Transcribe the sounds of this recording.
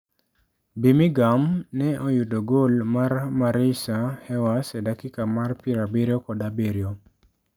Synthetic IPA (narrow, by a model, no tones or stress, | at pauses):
bimiɡamnɛʔojudoɡolmarmaɾisahɛwasɛdakɪkamarpiɾabeɾjokɔdabeɾjo